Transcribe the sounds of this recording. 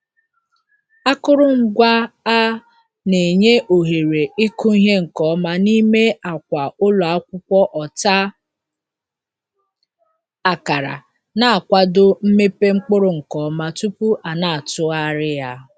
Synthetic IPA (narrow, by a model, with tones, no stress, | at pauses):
a˦kʊ˦ɾʊ˦ŋ̩˨˦ɡʷa˦a˦ | ne˨ɲe˦ʔo˨ɦe˨ɾe˨ɪ˦kʊ˦i˦ɦe˦ŋ̩˨kɔ˦ma˦ni˦me˦a˨kʷa˨ʊ˦lɔ˨a˨˦kʷʊ˦kʷɔ˦ʔɔ˨ta˦ | a˨ka˨ɾa̰˨ | na˨a˨kʷa˦dʊ˦m̩˦me˦pe˦ŋ͡m̩˦k͡pʊ˦ɾʊ˨ŋ̩˨kɔ˨˦ma˦tu˦pu˦ʔa˨na˨a˨tʊ˦a˦ɾɪ˦ja˦